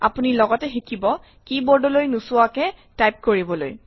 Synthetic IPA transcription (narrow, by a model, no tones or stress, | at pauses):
apunilɔɡɔtɛxikʰibɔ | kibɔɹdɔlojnusʊakɛtajp̚koɹibɔlo̰j